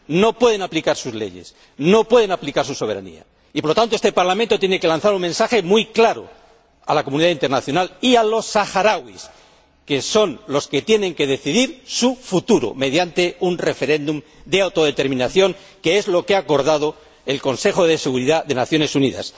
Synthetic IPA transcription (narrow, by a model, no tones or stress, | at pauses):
no̞pwe̞ð̞enaplikaɾsuzle̞̰je̞̰s | no̞pwe̞ð̞e̞naplikaɾsuso̞β̞e̞ɾa̰nḭa̰ | ipoɾlot̪ant̪oest̪e̞paɾlamẽnt̪o̞t̪jene̞ke̞lanθaɾuŋme̞nsaxe̞mujklaɾo̞̰ | a̰lako̞muniðaint̪e̞ɾnaθjo̞nalialo̞sːaxaɾaɣwis | ke̞so̞nlo̞ske̞t̪je̞nẽ̞ŋke̞ð̞e̞θiðiɾsufut̪uɾo̰me̞ðjant̪e̞unre̞fe̞ɾe̞nd̪um | d̪eawt̪o̞ðe̞t̪e̞ɾmĩnaθjo̞ŋ | ke̞ezlo̞keako̞ɾðað̞o̞ | e̞lko̞nse̞xo̞ðe̞seɣ̞uɾiðaðe̞naθjo̞ne̞suniða̰s